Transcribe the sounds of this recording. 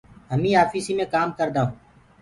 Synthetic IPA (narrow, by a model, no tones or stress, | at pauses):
ɦəmĩːaːfiːsiːmẽːkaːmkəɾd̪aːɦũː